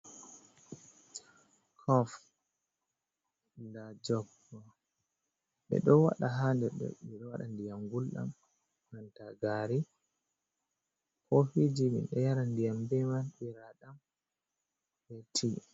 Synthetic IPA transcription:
kʰɔf | lad͡ʒɔb | ɔ | ɓɛ̰ɗɔwa̰ɗaɦandɛɗɔ̰ɓɛɗɔwaɗandijamɡulɗa̰m | mantaɡaɾi | kɔfid͡ʒimḭnɗɛjaɾandijambɛmanɓiɾaɗam | bɛtʰi

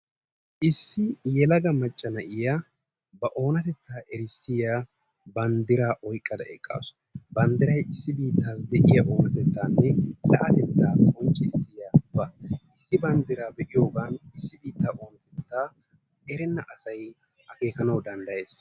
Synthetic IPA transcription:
ʔɪsːɪjɛlɐɡɐmɐt͡ʃʼːɐnɐʔɪja | bɐʔo̞ːnɐt̪ɛt̪ːaːʔɛɾɪsːɪja | bɐnd̪ɪɾaːʔɔjkʼːɐd̪ɐɛ̰kʼːa̰ːsʊ̥ | bɐnd̪ɪɾɐjɪsːɪbiːt̪ːaːsd̪ɛʔɪjɐʔo̞ːnɐt̪ɛt̪ːaːnːɛlɐ̰ʔɐt̪ɛt̪ːaːt̪ʼɔnt͡ʃʼːɛɪsːɪjabɐɪsːɪbɐnd̪ɪɾaːbɛʔɪjo̞ːɡaːnɪsːɪbiːt̪ːaːʔo̞ːnɐt̪ɛt̪ːaː | ɛɾɛnːɐʔɐsɐj | hɐke̞ːkɐnɐwd̪ɐnd̪ɐjeːs

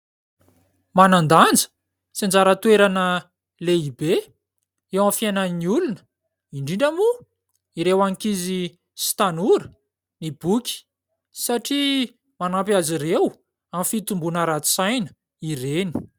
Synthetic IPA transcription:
manand̪and͡zə̥ | sind͡zaɾət̪ueɾanə | leibe | ewamfiananiulunə̥ | iɳɖ͡ʐiɳɖ͡ʐamu | iɾewaŋkizi | st̪anuɾə̥ | nibukʲi̥ | saʈ͡ʂi | manampjaziɾew | amfit̪umbunəɾat̪u̥sajnə̥ | iɾeni̥

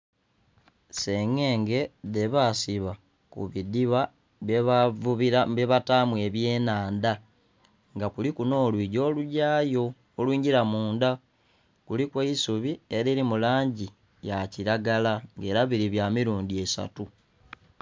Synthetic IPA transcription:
seŋe̞ːŋɡe̞de̞βasiβa | kṵβidiβa | iaβeβataːmwe̞βje̞ːnaːnda | ŋɡakulikuno̞ːlwiːɟo̞ːluɟaːjoː | lwiːɲɟiɾamuːnda | kulikweisuβie̞ɾeɾimulaːɲɟi | jaciɾaɡalaŋɡe̞ːɾaβiɾiβjamiɾuːndie̞sa̰tu

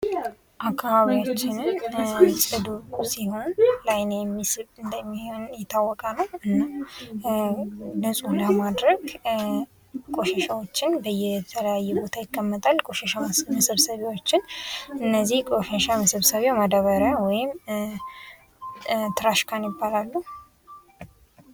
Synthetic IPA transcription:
ʔakʰːaβaβiwat͡ʃːɪnɨnsʼɨd̪usiho̞nlajnejɛmːisɨβɨnd̪əmːihonjɛt̪ʰːawːɔkʼanəwɨnːəw | nəsʼuləmad̪ɾəɡ | kʼoʃɛʃawo̞t͡ʃːɪnbəjɛt̪ʰələjajːɛbo̞t̪ʰajɪkːəmːət̪ʼalkʼoʃɛʃaməsəβsəβewot͡ʃːɪnʔɨnːəzːihkʼoʃɛʃaməsɨβsəβewmad̪aβəɾəwɔjɪm | t̪ʰɨɾaʃkʰanjɪbːalalːuh

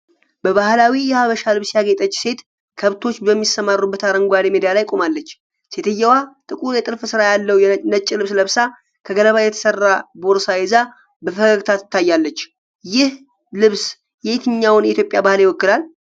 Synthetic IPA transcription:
bəβahlawijɛhaβəʃalɨβsjaɡet̪ʼət͡ʃːse̞t̪ | kʰəβt̪ʰo̞t͡ʃːbəmːisːəmarːubːət̪aɾəŋɡʷad̪emed̪ijalajkʼo̞malːət͡ʃː | se̞t̪ʰɨjːɛwat̪ʼɨkʼuɾjɛt̪ʼɨɾfɨsɨɾajalːəwjɛnət͡ʃʼːilɨβsləβsa | kʰəɡələβajɛt̪ʰə̥sərːabo̞ɾsajɛza | bəfəɡəɡt̪ʰat̪ʰɨ̥t̪ʰːajːalːət͡ʃː | jɪh | lɨβs | jet̪ʰɨɲːawnjɛit̪jo̞pʼjabahlɪwɔkːɨlal

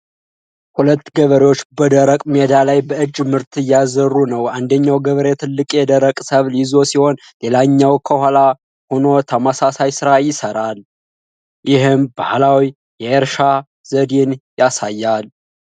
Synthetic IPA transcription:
hulət̪ːɡəβəɾewot͡ʃːbəd̪əɾəkʼmed̪alajbəɨd͡ʒmɨɾt̪ʰɨjazərːunəwand̪əɲːawɡəβəɾet̪ʰɨlːɨkʼjɛd̪əɾəkʼsəβlizo̞siho̞n | le̞laɲːawkʰəhʷala | ho̞no̞t̪ʰəməsasajsɨɾajɪsəɾal | jɪɦɨmbahlawi | jɛeɾʃa | z̥əd̪enjasajːal

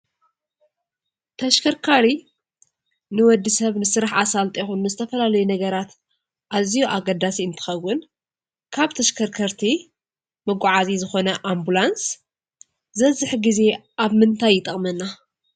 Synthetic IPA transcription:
t̪ʰɐʃkʰɐɾkʰaɾi | nɨwɔd̪ːisɐβnɨsɨɾaħasalt̪ʼixunːɨzɨt̪ʰɐfɐlalɐjunɐɡɐɾat̪ | ʔazijuʔaɡɐd̪asiɨnt̪ʰɨ̥xɐwːʊn | kʰaβt̪ʰɐʃkʰɐɾkʰɐɾt̪ʰi | mɨɡʷʼʕazizɨxo̞nɐʔambulans | zɐzɨħɡize̞ʔaβmɨnt̪ʰajːɪt̪ʼɐχʼmɐnːa

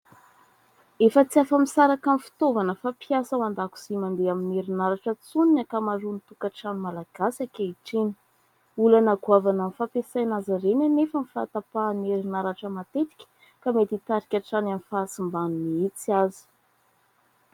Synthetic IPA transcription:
efət͡siafamisaɾakamifi̥t̪ovanəfapiasəwand̪aku̥zimand̪eamineɾinaɾaʈ͡ʂət͡suninakamaɾunit̪ukaʈ͡ʂanimalaɡ̥asakʲeiʈ͡ʂini̥ | ulanaɡuavanamifapesajnazaɾenanefəmifa̰t̪apaneɾinaɾaʈ͡ʂəmat̪et̪i̥kʲə̥ | kamet̪it̪aɾikʲaʈ͡ʂanamifasimbanuniit͡siazi̥

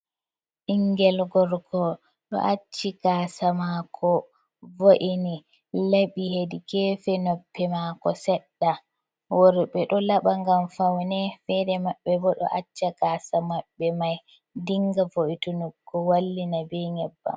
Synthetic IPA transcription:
ʔiŋɡɛlɡɔɾɡɔ | ɗɔ̰ʔat͡ʃːiɡaːsamakʰɔ | voʔini | laɓihedikɛːfɛnɔpʰːɛmakɔsɛɗːa | wɔɾɓɛɗɔlaɓaŋɡamfawnɛfɛdɛmaɓːɛbɔɗɔ̰ʔat͡ʃːaɡaːsamaɓːɛmaj | diŋɡavoʔitunuɡɔwalːinabɛɲɛbːa̰m

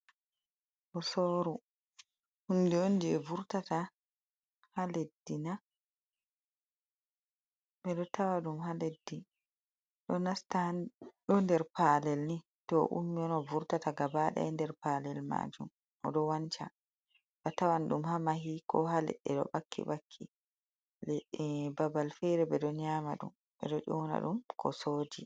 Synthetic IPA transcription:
ʔɔsoːɾu | hundiondiɛvuɾtata | haledːina | ɓɛɗɔtawaɗumhaledːi | ɗɔnastaɗɔndɛɾpaːlɛlni | tɔʔṵmːiɔnɔvuɾtataɡabaɗa̰ɛndɛɾpaːlɛlma̰d͡ʒum | ʔɔ̰ɗɔwant͡ʃa̰ | ɗɔtawanɗumhamaɦikʰɔɦalɛ̰ɛɗɔ̰bakʰːḭɓakʰːi | lɛbabalfɛɾɛbɛɗɔɲaːma̰ɗṵm | ʔɛ̰ɗɔʔɔna̰ɗumkʰɔ̰soːd͡ʒi

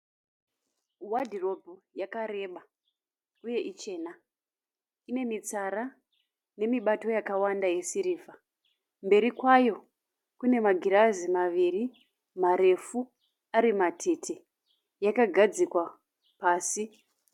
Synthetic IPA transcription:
wadʱiro̞bʱojakaɾe̞ɓa | uje̞ʔit͡ʃe̞ːna | ine̞mit͡saɾa | ne̞miɓato̞jakawandaje̞siɾiːfa | mbe̞ɾikwajo̞ | kune̞maɡʱiɾazimaʋiri | maɾe̞fu | aɾimatʰetʰe̞ | jakaɡʱad͡zikwa | paːsi

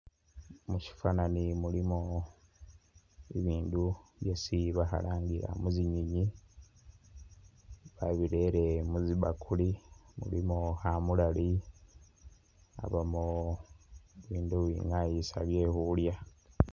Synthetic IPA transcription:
muci̥fananimulimo | iβiːnduβjesiβaha̰laːŋɡiɾa̰muziɲiɲi | βaβiɾe̞ɾe̞muziβakʰulimṵlimohamulali | a̰βamo | iβiːnduβḭŋajisaβje̞ːhulja

